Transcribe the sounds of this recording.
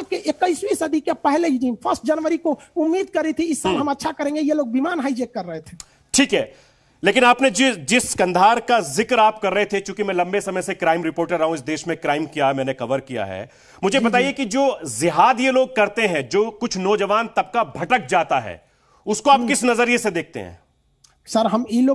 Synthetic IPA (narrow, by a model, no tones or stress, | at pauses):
keʔekəɪswisɐd̪ʱikepɛɦled͡ʒiːnpʰɐɾsʈ̚d͡ʒɐnʋəɾikoʊmːiːd̪kɐɾit̪ʰiɪsːbɦɐmɐtːʃʰakɐɾẽːŋɡejeloːɡ̚bimaːnɦaːɪd͡ʒeːkːɐɾːəɦet̪ʰe̥ː | ʈʰiːkɦɛː | leːkɪnaːpned͡ʒɪd͡ʒɪskɐ̃nd̪ʱaːɾkazɪkɾaːp̚kɐɾːəɐɦet̪ʰekjũːkimɛ̃lɐ̃mbesɐməjsekɾaːɪmɾɪpoːɾʈəɾɾɐɦũɪs̬d̪eːʃmẽkɾaːɪmkijaɦɛmɛ̃ːnekɐʋəɾkija̰ɦɛ̰ː | mʊd͡ʒʱebɐt̪aːiekid͡ʒoːzɪɦaːd̪jeloːɡ̚kɐɾt̪eɦɛ̃d͡ʒoːkʊt͡ʃʰnɔːd͡ʒɐʋaːnt̪ɐb̚kabʱɐʈək̚d͡ʒaːt̪aɦɛ̰ː | ʊskoaːp̚kɪsnɐzəɾijesed̪eːk̚ʰt̪ḛɦɛ̰̃ː | sɐɾɦɐmiloː